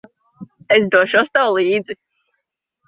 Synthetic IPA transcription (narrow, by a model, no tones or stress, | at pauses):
esd̪uɔʃuɔst̪awlˠiːd̪zi